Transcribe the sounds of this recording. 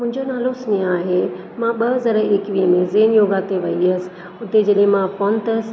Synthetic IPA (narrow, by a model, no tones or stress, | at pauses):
mʊ̃ɦɪ̃ɲd͡ʑonaːlosniaːɦe | mãɓɐɦəzəɾeːkʋiɦəmẽzeːnjoːɡaːt̪eʋɐiəsɪ̥ | ʊt̪ed͡ʑɐɗiɦẽmãpɔ̃nt̪əs